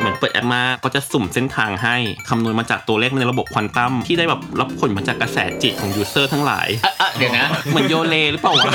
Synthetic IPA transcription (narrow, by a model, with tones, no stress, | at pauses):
mɯ˩˦npɤː˨˩t̪ʔɛ̰˦˥p̚maː˦˥kʰːɔː˧˥˩t͡ɕa˨˩so˨˩mse˥˩nt̪ʰaː˧ŋɦa˥˩jkʰa˧mnu˧ənmaː˧t͡ɕaː˨˩k̚t̪u˧le˥˩m˧n˧ɾbo˨˩p̚kʰwa˧nt̪a˥˩mt̪ʰiː˥˩daː˥˩jbɛː˨˩p̚la˦˥p̚kʰo˨˩˦nmaː˧t͡ɕaː˨˩kːa˧sɛ̰ː˩˦t͡ɕi˨˩t̚kʰɔː˩˦juː˧sɤː˥˩t̪ʰaː˧˥ŋla̰ː˩˦jʔa˧˩jŋa˦˥mɯ˩˦ənjoː˧leː˧ɾɯː˨˦˥paː˨˩wa˦˧˩